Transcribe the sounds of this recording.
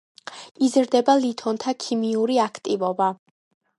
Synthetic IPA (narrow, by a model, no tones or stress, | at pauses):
izɾd̪ɛbalit̪ʰɔnt̪ʰakʰimiuɾiakʰt̪ʼivɔba